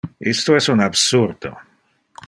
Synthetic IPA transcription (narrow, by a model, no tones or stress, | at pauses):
ist̪oɛsunabsurd̪̥o̰